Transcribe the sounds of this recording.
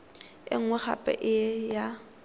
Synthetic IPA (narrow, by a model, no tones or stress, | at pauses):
ɪ̰ŋ̩wɛχa̰pʼɛ̰ʔɪɛja